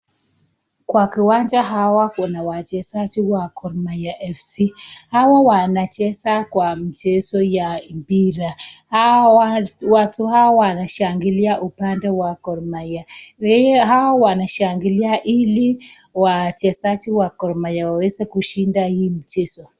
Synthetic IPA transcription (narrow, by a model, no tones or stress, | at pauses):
kwakiwand͡ʒaɦawakunawat͡ʃɛsat͡ʃiwakɔɾmajaʔɛfsihawawanat͡ʃɛsakwamit͡ʃɛsɔjampiɾah | watuhawaɔwanaʃaŋɡiliaʔupandɛwakɔɾmaja | ɦawawanaʃaŋɡiliaʔili | wat͡ʃɛsat͡ʃiwakɔɾmajawawɛzɛkuʃindahiːm̩t͡ʃɛsɔ